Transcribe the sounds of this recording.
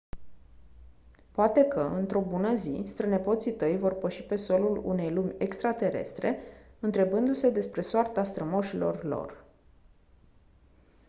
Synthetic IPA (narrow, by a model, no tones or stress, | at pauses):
poat̪e̞kəʔɨnt̪ɾo̞bunəzist̪ɾəne̞po̞t̪sit̪əjvo̞rpəʃi̥pe̞so̞lulṵne̞jlumʲe̞kst̪ɾat̪e̞ɾe̞̰st̪ɾe̞ɨnt̪ɾe̞bɨnd̪use̞d̪e̞spɾe̞soart̪ast̪ɾəmoʃilo̞̰rlo̞̰r